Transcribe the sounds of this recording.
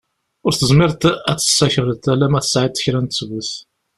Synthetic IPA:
ʊɾθəzmɪɾt̪æt͡sːə̥sːæçərˤət̪ælæmæθə̥sʕit̪ːə̥çɾænt̪sɡuθ

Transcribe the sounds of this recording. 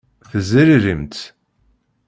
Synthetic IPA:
θəzəɾiɾimt̪

